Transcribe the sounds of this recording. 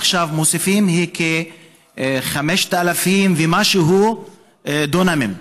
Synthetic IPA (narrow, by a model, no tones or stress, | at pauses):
χʃavmosifimhikʰe | χameʃt̪alafimvemaʃeɦu | d̪onamim